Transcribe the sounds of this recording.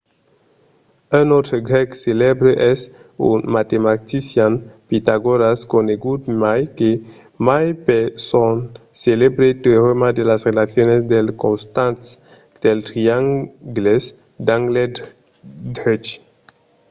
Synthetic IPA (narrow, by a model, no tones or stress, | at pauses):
anot̪ɾoɡɾɛkselebɾeʔɛsṵnmat̪emat̪isjanpit̪aɡoɾaskoneɡud̪majke | majpesonselebɾet̪ɾeɾemad̪elasrelaθjonesd̪elkõnst̪ãnt̪s | d̪̥elt̪ɾiaŋɡles | d̪aŋɡle | dɾet͡ʃ